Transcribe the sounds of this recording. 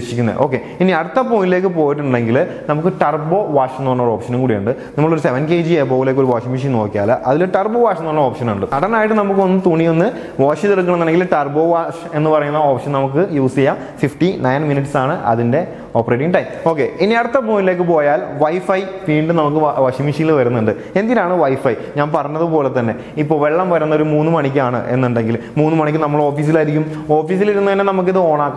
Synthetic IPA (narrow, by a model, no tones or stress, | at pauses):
ʂikʲːunːɐ̰ð̰ʔo̞ːkːe̞ | iniɐɽut̪ːɐpoːnile̞ːk̬ːɨpo̞ːjiʈ̬ːuɳɖe̞ŋɡilnɐmukːɨʈɐrbo̞ːʋaːʂnːoːɳːɐoɾo̞ːpʂɐnumkuːɽijɐ̰ɳɖɨnimːɐɭo̞ɾuse̞ʋɐnkeːd͡ʑiepːoːʋileːkːoɾuʋaːʂimiʂ̬inno̞ːkʲːja̰ːlɐʔɐðiluʈɐrboːʋaːʂɐnːoːnːɐo̞ːpʂɐnaːɳɖɨɐɽɐnaːjiʈːɨnɐmukːɨonːɨt̪uɳijo̞nːɨ | ʋoːʂit̪irɨk̬ːɐɳɐmnːɐneŋɡilʈɐrbo̞ːʋaːʂe̞nːɨpɐrɐjːunːɐo̞ːpʂɐnɐmuk̬ːɨjuːsijaːm | fifʈinɐjnminiʈːsaːɳɨʔɐ̰ðinde̞ | o̞ːpɐreːʈ̬iŋʈɐjmo̞ːkːeiniɐɽɐt̪ːɐbuːnile̞ːk̬ːɨpo̞ːjaːlʋɐjfɐjʋiːɳɖɨnɐmukːɨʋɐʂimiʂijilʋɐɾunːuɳɖɨ | e̞nd̪iɾaːɳɨʋɐjfɐj | ɲaːnpɐrɐɲːɐðɨpo̞ːlet̪ːɐnːe̞̰ | ipːo̞ːʋe̞ɭːɐmʋɐɾunːɐo̞ɾumuːnːɨmɐɳikʲːaːɳɨ̰ʔe̞̰nːuɳɖe̞ŋɡil | muːnːɨmɐɳikʲːɨnɐmːɐɭo̞ːfiːs̬ilaɾik̬ʲːum | o̞ːfiːs̬iliɾunːɐʋɐnːenɐmuk̬ːiðɨo̞ːɳaːkː